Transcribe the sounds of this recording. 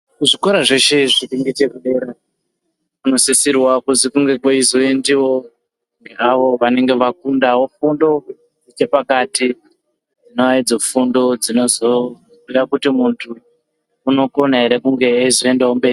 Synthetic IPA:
kuʐikoɾaʐe̞ʃe̞ʐiɾiŋɡitekuɗe̞ːɾa | kuno̞sisirwakuzikuŋɡe̞koizoendiʋo̞ | ŋɡeaʋo̞ʋane̞ŋɡe̞ʋakundawofundo̞ | ut͡ʃe̞pakaːti | d͡zino̞ʋaid͡zo̞fundo̞d͡zino̞zo̞ | ujakutimuntʰuː | no̞ko̞nae̞ɾe̞kuŋɡe̞ːzoendaumbe̞ːri

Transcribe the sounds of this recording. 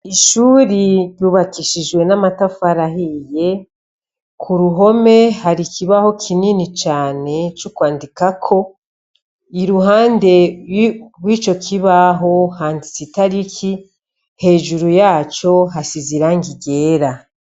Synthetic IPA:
iʃuːɾiɾjuβakiʃiʒɡwe̞namatafaɾaɦije̞ | kʰuɾuɦo̞me̞haɾikiβaho̞kʰininit͡ʃaːne̞t͡ʃukwaːndikakʰo̞ | iɾuɦaːnde̞ | ɾwiːt͡ʃo̞kʰiβaɦo̞haːndisitaɾikʰi | he̞ːʒuɾujaːt͡ʃo̞ɦasiziɾaŋɡiɟe̞ːɾa

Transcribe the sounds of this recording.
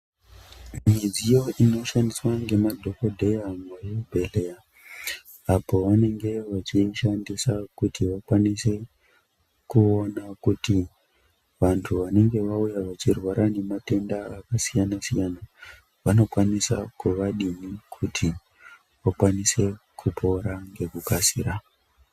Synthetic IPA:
mid͡zijo̞ʔino̞ʃandiswaŋɡe̞madʱo̞ko̞dʱe̞jamojobʱe̞le̞ja | apo̞ʋane̞ŋɡe̞ʋat͡ʃiʃandisakutiʋakwanise̞ | kuo̞nakuti | ʋantʰuʋane̞ŋɡe̞ʋaujaʋat͡ʃirwaɾane̞mate̞ndaːkasijanasijana | ʋano̞kwanisakuʋaɗinikʰutʰi | ʋakwanise̞ | kʰupʰo̞ɾaŋɡe̞kukasḭɾa

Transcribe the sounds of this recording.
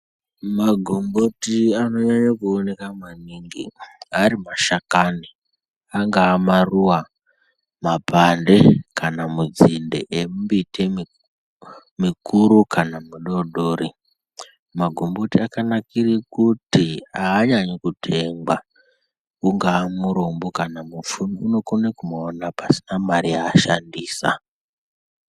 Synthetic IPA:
maɡʱombotiano̞ɲaɲakuone̞kamaniŋɡḭaɾimaʃakani | aŋɡaːmaruwa | mapandekʰanamud͡zindḛʔembitʰem | mikuɾukʰanamuɗo̞ɗoːɾi | maɡʱombotiakanakirikutiaːɲaɲokutʰeŋɡwa | uŋɡaːmuɾombokanamufununo̞konekumoːnapasinamaɾijaːʃandiːsa̰

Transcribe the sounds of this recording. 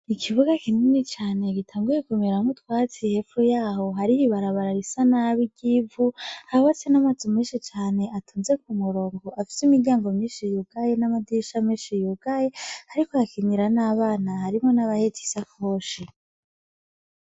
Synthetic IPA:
ikʰiβuɡakinunit͡ʃaːne̞ɡitʰaːŋɡuje̞kumeɾamutwaːt͡sihefujaːho̞ɦaɾihiβaɾaβaɾaɾisanaβiɟivuaβat͡senamad͡zimŋĩːnʃit͡ʃaːne̞ʔatʰuːnze̞k̚umuɾo̞ːŋɡo̞ʔafi̥simiɾɟaːŋɡomɲiːnʃijuɡ̥ajenamadiʃamiːnʃijuɡajehaɾikojakʰiɲiɾanaːβaːnahaɾimŋo̞naβahetʰi̥sakoːʃi

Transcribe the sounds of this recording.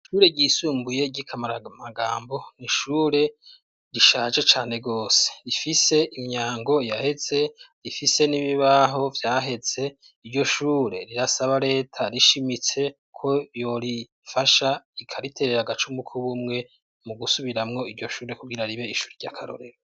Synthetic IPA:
ʃuːɾe̞ɟisuːmbuje̞ɟikʰamaɾmaɡaːmbo̞niʃuːɾe̞ | ɾiʃaːʒe̞t͡ʃaːne̞ɡo̞ːse̥ɾifise̞ʔiɲaːŋɡo̞jahe̞z̥e̞ɾifise̞niβiβaɦo̞vjaːɦe̞z̥e̞ | iɾɟo̞ʃuːɾe̞̰ɾiɾasaβaɾe̞ːtʰaɾiʃimit͡se̞ | kʰo̞jo̞ɾi | faʃaikʰaɾitʰe̞ɾeɾaɡat͡ʃumbukʰuβumŋe̞ | muɡusuβiɾamŋo̞iɾɟo̞ʃuːɾe̞kuɡiɾaɾiβe̞iʃuːɾeɟa̰kʰaɾo̞̰ɾe̞̰ɾo

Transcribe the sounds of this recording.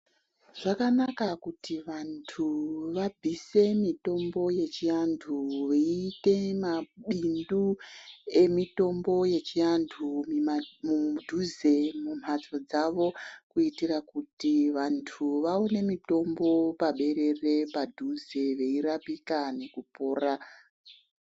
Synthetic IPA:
ʐ̥akanakakutiʋantʰuʋab͡vʱise̞mito̞mbo̞je̞t͡ʃijantʰuʋeiːte̞maɓindu | e̞mito̞mbo̞je̞t͡ʃijantʰummudʱuze̞mum̤at͡so̞d͡zaʋo̞kuitirakutiʋantʰuʋaone̞mito̞mbo̞paɓe̞ɾe̞re̞padʱuze̞ʋe̞irapikane̞kupo̞ːra

